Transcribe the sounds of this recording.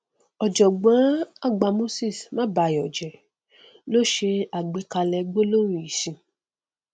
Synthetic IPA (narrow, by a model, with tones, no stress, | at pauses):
ɔ˨d͡ʒɔ˨ɡ͡bã˨˦a˦˨ɡ͡ba˧mo˦si˦˨smã˦ba˧˦jɔ˨d͡ʒɛ˨ | lo˦ʃe˧a˨ɡ͡be˨˦ka˧lɛ˧ɡ͡bo˦lo˦ɾĩ˧˨i˨sĩ˧˨